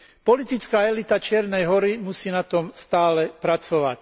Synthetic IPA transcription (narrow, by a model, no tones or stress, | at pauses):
pɔlit̪it͡skaːɛlit̪at͡ʃɪɛɾnɛjɦɔɾimusiːnat̪ɔmst̪aːlɛpɾat͡sɔʋa̰c